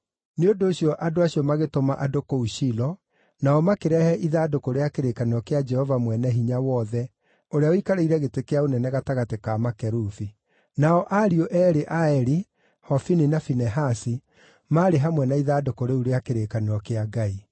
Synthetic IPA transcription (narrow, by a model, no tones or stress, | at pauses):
neondoːɕijɔʔadoaɕiɔmaɣetomaʔadokouʃilɔ | naɔmakeɾɛhɛʔiðadokoɾeakeɾekaneɔkead͡ʒɛhɔvamwɛnɛɦiɲawɔðɛ | oɾeaoikaɾeiɾɛɣetekeaonɛnɛɣataɣatekamakɛɾufi | naɔʔaɾioʔɛɾeʔaɛɾi | hɔfininafinɛɦasi | maːɾeɦamwɛnaiðadokoɾeuɾeakeɾekaneɾɔkeaɡai